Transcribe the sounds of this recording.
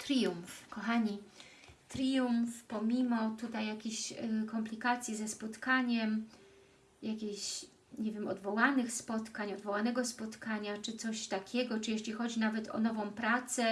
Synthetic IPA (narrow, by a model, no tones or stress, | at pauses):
t̪ɾʲijumfkɔxaɲi | t̪ɾʲijumfpɔmʲimɔt̪ut̪ajːakʲeɕkɔmplʲikat̪sʲjizɛspɔt̪kaɲɛm | jakʲeɕ | ɲɛvʲjɛmɔ̰d̪vɔwanɘxspɔt̪kaɲɔd̪vɔwanɛɡɔspɔt̪kaɲat͡ʂɘt̪sɔɕt̪akʲʰɛɡɔt͡ʂɘjɛɕlʲixɔd͡ʑinavɛt̪ʰɔ̰nɔvɔ̃w̃pɾat̪sɛ